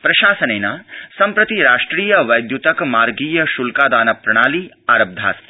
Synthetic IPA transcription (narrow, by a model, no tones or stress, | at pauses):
pɾɐʃaːsɐneːnaːsɐmpɾɐt̪iɾaːʂʈɾiːjɐʋɐjd̪jut̪ɐkmaːɾɡiːjɐʃulkaːd̪aːnɐpɾɐɽ̃aːliː | aːɾɐb̚d̪ʱa̰ːst̪